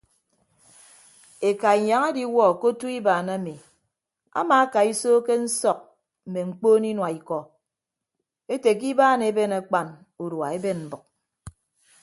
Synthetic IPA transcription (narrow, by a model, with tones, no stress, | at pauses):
e˨ka˨i˨ɲa˨ŋe˦di˦wɔ˦˨ko˦tu˦i˦baː˨na˦mi˨ | a̰˦ma˨a˦ka˨i˦soː˦ke˦n̩˦sɔ˨k̚ | m̩˨me˨ŋ͡m̩˨k͡poː˦ni˦nwa˨i˨kɔ˨ | e˦te˨k̬i˦baː˦ne˨˦be˦na˨k͡pa˨n | u˨ɾwa˨e˦be˦nm̩˨bʊ˨k̚